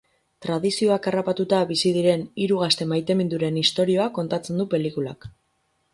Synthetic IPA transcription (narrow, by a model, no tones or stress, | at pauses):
t̪ɾað̞isio̞akarapat̪ut̪aβisið̞iɾe̞niɾuɣ̞ast̪e̞majt̪e̞mind̪uɾe̞nist̪o̞ɾio̞ako̞nt̪at͡se̞nd̪upe̞likula̰k